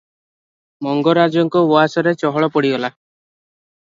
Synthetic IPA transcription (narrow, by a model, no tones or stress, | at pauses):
mɔŋɡɔɾad͡ʒɔŋkɔbɔasɔɾet͡ʃɔɦɔɭɔpɔɽiɡɔla